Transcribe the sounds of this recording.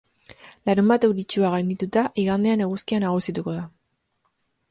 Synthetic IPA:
laɾumbat̪e̞wɾit͡ʃuaɣajnd̪it̪ut̪aʔiɣand̪e̞ane̞ɣuskianaɣ̞usit̪uko̞ða

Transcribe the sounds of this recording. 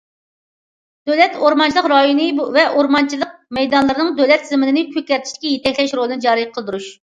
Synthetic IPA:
d̪̥øwlɛt̪oɾmɑnt͡ʃʰilˠəqɾɑjonɨvɛʔoɾmɑnt͡ʃʰilˠəq̚mɛjd̪ɑnlˠɨɾɨnɨŋd̪øwlɛt̪zɪmɪnɪnɪpʰykʲːɛɾt̪ʰɪ̥ʃd̪ɪ̥kʲɛjet̪ɛkʲlɛʃɾolˠɨnɨd͡ʒɑːɾɨjqʰəlˠd̪uɾuʃ

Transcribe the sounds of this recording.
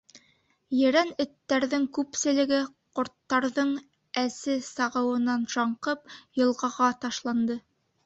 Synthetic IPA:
jɘ̆ɾænɵ̆t̪ːæɾðɘŋkʉpsɘ̆lɘ̆ɡɘ | qŏɾt̪ːɑɾðɤɴ | æsɘsɑʁɤ̆wɤ̆nɑnʒɑɴqɤp̚jɤ̆lˠʁɑʁɑt̪ɑʃlˠɑnd̪ɤ

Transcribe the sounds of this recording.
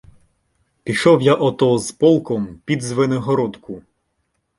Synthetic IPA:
pʲiʃɔwjaʔɔt̪ɔzpɔlˠkɔmpʲid̪zʋɪnɔɦɔɾɔt̪kʊ

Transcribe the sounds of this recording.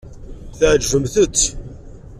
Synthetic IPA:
θʕʒːəmθət͡sː

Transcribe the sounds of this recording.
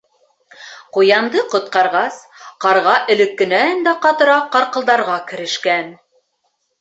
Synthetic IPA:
qujɑmd̪ɤqŏt̪̚qɑɾʁɑs | qɑɾʁɑʔɵ̆lɘ̆kːɘ̆nænd̪æqɑt̪ɤ̆ɾɑqɑɾqɤ̆lˠd̪ɑɾʁɑkɘ̆ɾɘ̆ʃkæn

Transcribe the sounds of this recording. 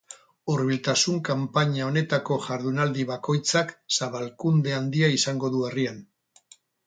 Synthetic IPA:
uɾβilt̪asuŋkampaɲao̞ne̞t̪ako̞ʝaɾðunald̪iβako̞jt͡saksaβalkund̪e̞and̪iaisaŋɡo̞ðuarian

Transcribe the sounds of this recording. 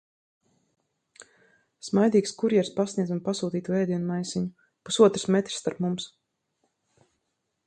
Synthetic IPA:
smajd̪ʲiːkskuɾjɛɾspasnʲiɛd̪unpasuːt̪iːt̪uvɛːd̪ʲiɛnmajsiɲu | pusuɔt̪ɾɨ̥smɛt̪ɾ̥ʲsːt̪aɾpmums

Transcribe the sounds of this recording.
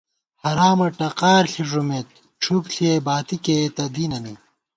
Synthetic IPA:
hɐɾaːmɐʈɐqaːɾɬʰiʐumet̪̚ | ʈ͡ʂʰubɬʰiebaːt̪iket̪ɐd̪iːnɐni

